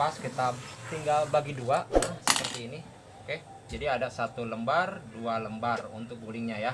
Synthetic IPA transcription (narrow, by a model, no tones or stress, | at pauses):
askit̪at̪iŋɡalbaɡiduasə̥pərt̪iːni | oke | d͡ʒadiadasat̪uləmbardualəmbarṵnt̪ʊk̚ɡulɪŋɲaja